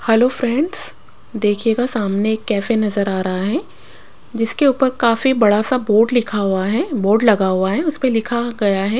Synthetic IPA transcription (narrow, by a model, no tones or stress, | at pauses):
hɛloːfɾɛ̃ɳɖz̥ | d̪eːkʰjeːɡasaːmneeːkːɛːfenɐzəɾaːɾɐɦaɦɛː | d͡ʒɪskeuːpəɾkaːfibɐɽasaboːɾɖlɪkʰaɦʊaɦɛboːɾɖlɐɡaɦʊaɦɛʊspelɪkʰaɡɐjaɦɛː